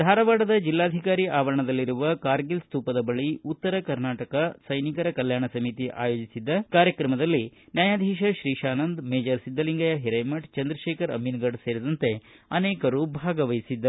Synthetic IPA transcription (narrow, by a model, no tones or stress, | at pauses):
d̪ʱaːɾɐʋaːɽɐd̪ɐd͡ʒilːaːd̪ʱikaːɾiʔaːʋɐɾɐɳɐd̪ɐlːiɾuʋɐkaːɾɡilst̪uːpɐd̪ɐbɐɭiut̪ːɐɾɐkɐɾnaːʈɐkɐsɐjnikɐɾɐkɐljaːɳɐsɐmit̪iʔa̰ːjo̞ːd͡ʒisid̪ːɐkaːɾjɐkɾɐmɐd̪ɐlːinjaːjaːd̪ʱiːʃɐʃɾiːʃaːnɐnd̪meːd͡ʒɐɾsid̪ːɐliŋɡɐjɐɦiɾɐjmɐʈt͡ʃɐnd̪ɾɐʃɛːkɐɾɐ̰mːinɡɐɖseːɾid̪ɐnt̪e̞ | ɐnɛːkɐɾubʱaːɡɐʋɐjisid̪ːɐ